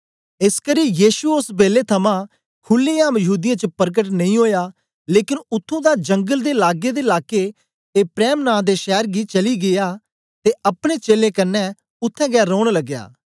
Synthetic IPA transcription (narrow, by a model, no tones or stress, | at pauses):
ɪskəɾiːjiːʃuʊsbeːleːt̪ʰəmãː | kʰʊlːeːaːmjəɦuːd̪ɪjãːt͡ʃəpəɾɡəʈ̬nəĩːɦoːjaː | leːkɪnʊt̪ʰːõːd̪aːd͡ʒə̃ŋɡəld̪eːlaːɡeːd̪eːɪlaːkeː | t̪eːpɾɛːmnãːd̪eːʃɛːɾɡiːt͡ʃəliːɡɪjaː | t̪eːəpɽ̃eːt͡ʃeːlẽːkənːɛː | ʊt̪ʰːɛ̃ːɡɛːɾoːɽ̃ləɡːja̰ː